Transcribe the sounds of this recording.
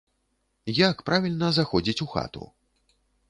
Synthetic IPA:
jakpɾavʲilʲnɐzaxɔd͡zʲit͡sʲuxa̰t̪ṵ

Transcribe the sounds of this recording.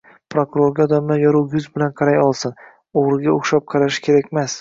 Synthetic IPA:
pɾokʊɾoɾɡʲaɒd̪amnajɒɾuwjʊzbɪlanqʰɑɾajɒlˠsɪn | oʁɾɪɡʲaoχʃap̚qʰɑɾaʃɪ̥kʲʰe̞ɾakʲmas

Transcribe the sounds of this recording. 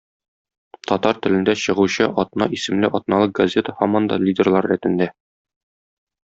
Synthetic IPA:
t̪ʰɒt̪ɑɾt̪ɘ̆lɘ̆nd̪æɕɤ̆ʁuɕɤʔɒt̪nɑisɘ̆mlɘʔɒt̪̚nɑlˠɤɡɐzʲet̪əhæmɒnd̪ɑ̰lʲidʲerlˠɑɾːæt̪ɘ̆nd̪æ

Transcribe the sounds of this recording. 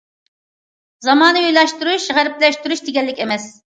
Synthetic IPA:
zɑmɑːnɨyjlɛʃt̪uɾuʃʁæɾɪplɛʃt̪yɾuʃd̪eɡʲɛlːɪkʲemɛs

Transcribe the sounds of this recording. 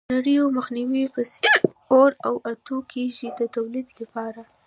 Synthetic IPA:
aɽəjoməxniwipəse | oɾawat̪ukʰeʒid̪ət̪awlid̪lapɑɾa

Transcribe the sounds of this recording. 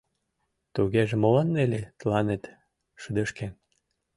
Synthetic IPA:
t̪uɣeʒemolɑnːelʲet̪lɑnet̪ | ʃəd̪əʃken

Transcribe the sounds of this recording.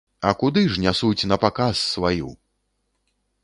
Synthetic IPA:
ɐkud̪ɨʐnʲasut͡sʲn̪ɐpakasːvajṵ

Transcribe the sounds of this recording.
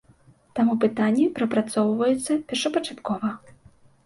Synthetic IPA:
t̪amupɨt̪anʲːɛpɾɐpɾat̪sɔwvɐjɛt̪sːɐpʲɛrʂɐpɐt͡ʂat̪kɔvɐ

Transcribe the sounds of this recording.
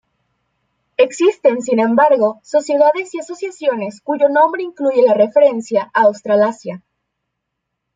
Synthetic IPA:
e̞ksist̪e̞nsinẽ̞mbaɾɣo̞so̞sje̞ðaðe̞siaso̞sjasjo̞ne̞skuʝo̞nõ̞mbɾe̞iŋkluʝe̞lare̞fe̞ɾe̞nsjaʔaːwst̪ɾalasja

